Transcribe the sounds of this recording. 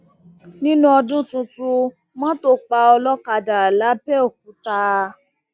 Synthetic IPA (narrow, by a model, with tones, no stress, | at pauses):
nĩ˦nũ˦ɔ˧dũ˦tũ˧tu˧ | mɔ̃˦to˦k͡pa˧ɔ˧lɔ˦ka˧da˨la˨˦pɛ˦o˦˨k̚ũ˨˦ta˧